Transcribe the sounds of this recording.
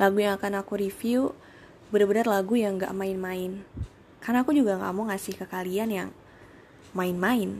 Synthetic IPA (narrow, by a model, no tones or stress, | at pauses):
laɡujaŋakanakuɾifiu | bəɾabənarlaɡujaŋɡa̰ʔmaɪnmaɪn | karnaːkud͡ʒuɡaŋɡa̰mɔŋasɪhkəkalianja̰ŋ | maɪnmaɪn